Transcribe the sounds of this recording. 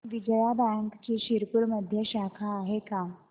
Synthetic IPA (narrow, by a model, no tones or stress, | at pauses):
ʋid͡ʑjabɛŋkt͡ɕiɕiɾpuɾməd̪ʱjəɕakʰaːɦeka